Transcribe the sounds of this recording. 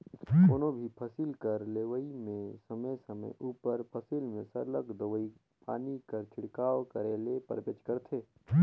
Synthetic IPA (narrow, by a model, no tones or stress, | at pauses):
koːnõbʱipʰəsɪlkəɾleːʋəimẽsəməjsəmə̰jʔuːpəɾpʰəsɪlmẽsəɾləkd̪əʋəi | pa̰ːnikəɾt͡ʃʰɪɽkaːʋkəɾeːlepə̰ɾbet͡ʃkəɾt̪ʰeː